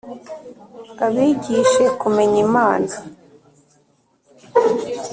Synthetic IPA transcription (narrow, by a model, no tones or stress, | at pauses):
aβiːɟiʃe̞kume̞ɲimaːnza